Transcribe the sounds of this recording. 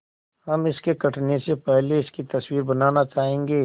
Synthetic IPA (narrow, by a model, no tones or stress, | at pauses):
hɐmɪskekɐʈʰnesepɛɦleɪskit̪ɐswiːɾbɐnaːnat͡ʃaːɦẽːŋɡeː